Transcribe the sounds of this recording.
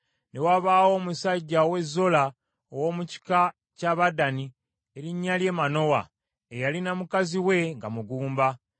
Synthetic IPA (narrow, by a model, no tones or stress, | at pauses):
ne̞waβaːwo̞ːmusaɟːawe̞zːo̞la | owo̞muci̥ka | caβadani | e̞ɾiɲːalje̞ːmano̞wa | ejalinamukaziwe̞ŋɡamuɡuːmba